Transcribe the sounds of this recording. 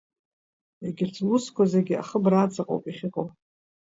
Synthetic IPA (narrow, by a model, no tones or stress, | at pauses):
eɡʲɪrt͡sʰʼluskʷʰazaɡʲɪa̰χəbrat͡sʼaqʼowpʼiχʲɪqʼowpʼ